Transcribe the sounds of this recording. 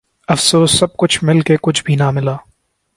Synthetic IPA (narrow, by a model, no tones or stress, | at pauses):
ɐfsoːsːɐb̚kʊt͡ʃʰmɪlkekʊt͡ʃʰbʱinamɪlaː